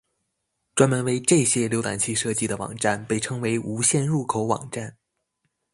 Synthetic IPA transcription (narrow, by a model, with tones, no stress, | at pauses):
ʈ͡ʂwa˥nmə˧˥nwe˧˥ɪʈ͡ʂɤ˥˩ɕjɛ˥ljo˧˥ʊt̪a̰˨˩nt͡ɕʰi˥˧ʂɤ˥˧t͡ɕi˥˩d̪ə˩wɑ̰˨˩ŋʈ͡ʂa˥˩npe˥˩ɪʈ͡ʂʰɤ˥ŋwe˧˥ɪʔu˧˥ɕjɛ˥˧nɻu˥˩kʰo˧˥ʊwɑ̰˨˩ŋʈ͡ʂa˥˩n